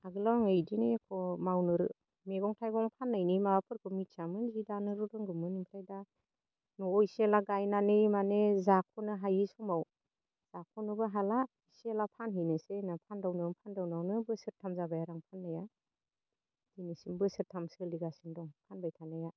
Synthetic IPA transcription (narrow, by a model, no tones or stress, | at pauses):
aɡɯlɔŋejdinɯjakʰɔmawnɯɾɯ̰ | meɡɔŋtʰajɡɔŋpʰanːajnimaapʰɯɾkʰɯmitsamɯnzidanɯɾɯdɔŋɡɯmɯnimpʰɾajda | nɔiselaɡajnanɯjmanezakʰɔnɯɦajisɔmaw | z̥akʰɔnɯbɯɦala | iselapʰanɦijnɯsenapʰandawnɯŋpʰandawnawnɯbɯsɯɾtʰamzabajaɾaŋpʰanːaja | d̥inisinbɯsɯɾtʰamsɯliɡasindɔŋpʰanbajtʰanaja